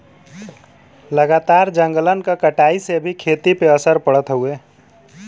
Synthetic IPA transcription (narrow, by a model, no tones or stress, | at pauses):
ləɡat̪aɾd͡ʒə̃ŋɡələnkakəʈaiseəbʱikʰet̪ipeəsəɾpəɽət̪ɦue